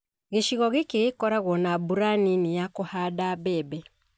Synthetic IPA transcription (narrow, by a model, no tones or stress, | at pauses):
ɣeʃiɣɔɣekeɣekɔɾaɣwɔnabuɾaninejakohaːdabɛbɛ